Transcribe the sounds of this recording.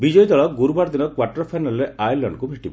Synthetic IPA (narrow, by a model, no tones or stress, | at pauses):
bid͡ʒɔjd̪ɔɭɔɡuɾubaɽd̪inɔkwaɾʈɔɾpʰajnalɔɾeʔajlɔɳɖkubʱeʈibɔ